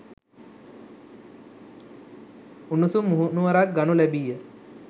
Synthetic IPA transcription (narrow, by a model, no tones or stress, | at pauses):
unusumuɦunuʋaɾak̚ɡanulæbijə